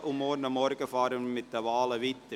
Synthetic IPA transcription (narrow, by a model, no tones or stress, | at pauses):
ʔʊmmɔːɾnɑmːɔɾɡəfɑːɾənmɪtd̥əʋɑːləʋit̪ə